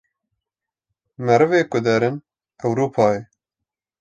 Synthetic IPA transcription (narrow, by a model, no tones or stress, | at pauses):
mɛɾɨveːkʊd̪ɛɾɪn | ɐwɾuːpʰɑːe